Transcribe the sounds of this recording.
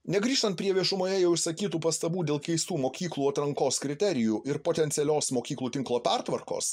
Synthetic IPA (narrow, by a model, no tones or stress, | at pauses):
nʲɛɡɾʲiːʃt̪ɐnt̪pʲɾʲiɛʋʲiɛʃʊmoːjɛjɛʊʊʃʲsɐkʲiːt̪uːpɐst̪ɐbuːd̪ʲeːlˠkʲɛɪst̪uːmoːkʲiːklˠuːɐt̪ɾɐŋkoːskɾʲɪt̪ʲɛɾʲɪjuːʔɪɾpoːt̪ʲɛnt̪sʲɪɛlʲoːsmoːkʲiːklˠuːt̪ʲɪŋklˠoːpʲæɾt̪ʋɐɾko̰ːs